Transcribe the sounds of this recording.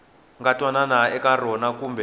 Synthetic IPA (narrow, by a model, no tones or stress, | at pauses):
ŋɡatwananaɛkarɔnakuːmbɛ